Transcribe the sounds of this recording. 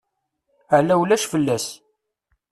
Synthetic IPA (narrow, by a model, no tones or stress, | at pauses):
əʕlæwlæʃfəlːæs